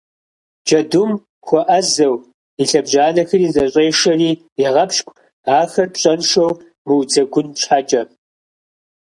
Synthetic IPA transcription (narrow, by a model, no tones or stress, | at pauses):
d͡ʒɐdum | xʷɔʔɐzɐw | iɬɐbʒaːnɐxɨriːzɐɕʼeːʂɐriː | iʁɐpʃkʷʼ | aːxɐrɕʼɐnʂɐw | mɨwd͡zɐɡʷʊnɕʰħat͡ʃʼɐ